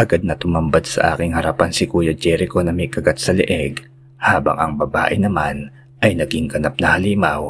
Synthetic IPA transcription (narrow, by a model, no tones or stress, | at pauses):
ʔɐɡad̪̚nɐt̪ʊmɐmbad̪̚sɐ̰ʔa̰ːkɪŋhɐɾɐpansɪkuːjɐd͡ʒɛɾɪko̞nɐmɛkɐɡat̪̚sɐlɪ̰ʔɛɡ | haːbɐ̰ŋɐ̰ŋbɐba̰ːʔɪnɐman | ʔɐjnɐɡiŋɡɐnap̚nɐhɐliːmɐw